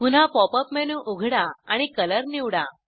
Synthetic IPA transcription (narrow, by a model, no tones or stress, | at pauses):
pun̤apɔpəpmɛnuʔuɡʱɽaaɽ̃ikələɾniʋɽa